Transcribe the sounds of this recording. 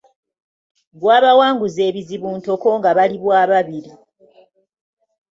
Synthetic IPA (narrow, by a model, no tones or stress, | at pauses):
ɡwaːβawaːŋɡuze̞ːβiziβuːnto̞ko̞ŋɡaβaliβwaːβaβiɾi